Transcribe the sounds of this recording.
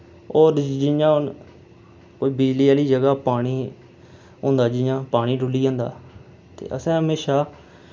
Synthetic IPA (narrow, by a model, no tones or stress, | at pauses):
oːɾd͡ʒɪjãːʊn | koːiːbɪd͡ʒliːaːliːd͡ʒəɡaːpaːɽ̃iː | ɦõːnd̪aːd͡ʒɪjãːpaːɽ̃iːɖʊliːãːnd̪a̰ː | t̪ḛːʔəsɛ̃ːɦəmeːʃaː